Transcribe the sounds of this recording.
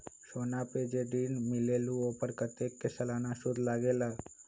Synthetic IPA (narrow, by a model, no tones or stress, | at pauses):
ʃoːnapeːd͡ʒeɖiːnmɪleːlũoːpəɾkət̪eːkːesəlaːnaʃʊd̪ʱlaːɡeːla